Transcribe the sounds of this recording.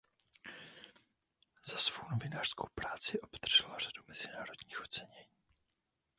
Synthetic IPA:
z̥asvownovɪnaːr̥skowpɾaːt͡sɪʔo̞bd̪r̩ʒ̥ɛlar̝̥adumɛz̥ɪnaːɾo̞dɲiːxʔo̞t͡sɛɲɛɲiː

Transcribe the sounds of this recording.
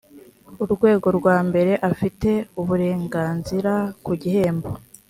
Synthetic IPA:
uɾɡwe̞ːɡo̞ɾɡwaːmbe̞ɾe̞ʔafite̞uβuɾe̞ːŋɡaːnziɾakuɟiɦe̞ːmbo

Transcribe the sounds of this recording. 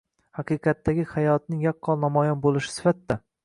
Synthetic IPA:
hɑqɨjqʰɑt̪ːaɡʲɪhajɒt̪nɪŋjɒqːɒlˠnamɒjɒnbolˠɪʃɪ̥sɪ̥fat̪ːa

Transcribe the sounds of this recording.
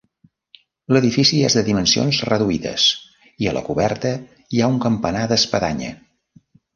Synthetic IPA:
ləðifisiezðəðimənsio̰nzrəðuiðə̰s | iəlʔə̰kuβɛrt̪ə | iauŋkəmpənaðəspəðaɲə̰

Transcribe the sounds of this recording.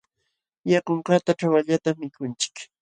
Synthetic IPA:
jakoɴkat̪aʈ͡ʂawaʎat̪amːɪkʊnt͡ʃɪ̥k

